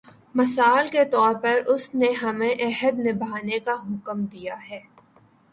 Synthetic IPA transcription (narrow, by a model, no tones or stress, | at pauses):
mɐsaːlket̪ɔːɾpɐɾʊsneɦɐmẽʔɛɦəd̪nɪbʱaːnekaɦʊkəmd̪ijaɦɛː